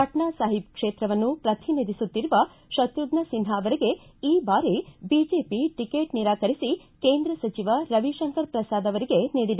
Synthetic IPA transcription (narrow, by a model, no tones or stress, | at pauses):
kɐʈɳaːsaːɦipkʂeːt̪ɾɐʋɐnːupɾɐt̪ʰinid̪isut̪ːiɾuʋɐ | ʃɐt̪ɾuɡɳɐsinɦaɐʋɐɾeɡe̞iːbaːɾibiːd͡ʒeːpiʈikeːʈniɾaːkɐɾisi | ke̞ːnd̪ɾɐsɐt͡ʃiʋɐɾɐʋiʃɐŋkɐɾpɾɐsaːd̪ɐʋɐɾiɡe̞niːɽid̪e